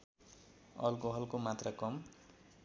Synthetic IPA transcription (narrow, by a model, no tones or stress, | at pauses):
ʌlkoɦʌlkomat̪rʌkʌm